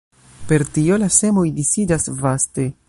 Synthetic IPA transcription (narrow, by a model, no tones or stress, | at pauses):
pe̞ɾtio̞lase̞mo̞jdisidasvaste̞